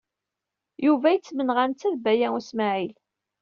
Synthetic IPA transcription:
juvæjət͡sːmənʁænt͡sːæðbæjæusmæʕil

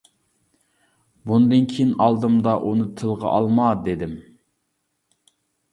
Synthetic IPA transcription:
bund̪ɨnkʲʰijinɑlˠd̪ɨmd̪ɑʔunɨt̪ʰɨlˠʁɑ̰ʔɑ̰lˠmɑd̪ed̪ɪm

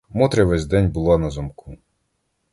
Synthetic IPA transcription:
mɔt̪ɾʲɐʋɛzʲd̪ɛnʲbʊlˠɑnɐzɔmkʰu

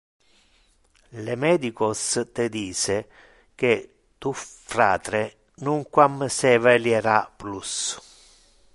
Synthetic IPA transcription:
lemɛːd̪ikɔst̪ed̪iːse | ke | t̪ufɾa̰ːt̪ɾe | nuŋkwamsɛvɛljɛɾaplus

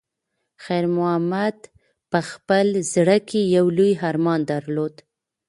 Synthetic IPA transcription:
xajɾmʊhamad̪ | pəxpəlzɽəkejawlujɦaɾmɑnd̪aɾlod̪

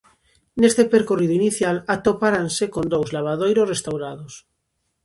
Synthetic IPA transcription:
nest̪epeɾkoriðʊiniθjalat̪opaɾansekond̪owzlaβ̞aðojɾosrest̪awɾaðos

